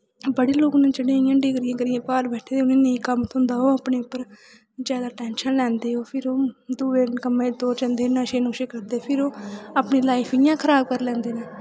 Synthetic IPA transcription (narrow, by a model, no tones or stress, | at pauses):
bəɽiːloːkʊnẽːt͡ʃəɽẽjãːɖɪkɾijãːkəɾɪjãːpaːɾbɛːʈʰeːd̪eʊnẽːnəĩːkəmt̪ʰʊ̃nd̪aːoːaːpɳeːʊpːəɾ | d͡ʒjaːd̪aːʈɛːnʃənlɛ̃ːnd̪eːoːpʰɪɾoːd̪uːʋeːkəmẽːd̪oːɾt͡ʃənd̪eːnãːʃeːnõːʃeːkəɾd̪eːpʰɪɾoːaːpniːlaːipʰijãːkʰəɾaːb̚kəɾlɛ̃ːnd̪eːnãː